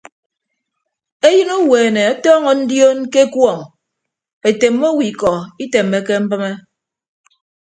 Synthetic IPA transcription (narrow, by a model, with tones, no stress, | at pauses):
e˦jɨ˦no˦weː˨ne˨ɔ˦tɔː˦ŋɔ˨n̩˦djo˦nke˦kwɔ˦˨ŋ | e˨te˨mːo˦wi˨kɔ˨i˦te˨mːe˦ke˦m̩˦pɨ˦me˦